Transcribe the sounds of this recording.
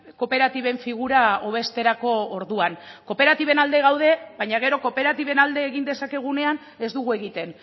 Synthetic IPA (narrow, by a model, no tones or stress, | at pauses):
ko̞pe̞ɾat̪iβe̞ɱfiɣ̞uɾao̞β̞e̞st̪e̞ɾako̞ːɾðuanko̞pe̞ɾat̪iβ̞e̞nald̪e̞ɣawð̞e̞βajɲaɣ̞e̞ɾo̞ko̞pe̞ɾat̪iβe̞nald̪e̞ːɣind̪e̞sake̞ɣ̞une̞an | e̞zd̪uɣue̞ɣit̪e̞n